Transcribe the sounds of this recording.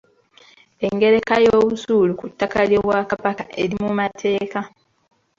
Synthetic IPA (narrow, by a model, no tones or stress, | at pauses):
e̞ŋɡe̞ɾe̞kajoːβusuːlukutːakaljo̞βwaːkaβakaʔe̞̰ɾimumatʰe̞ːka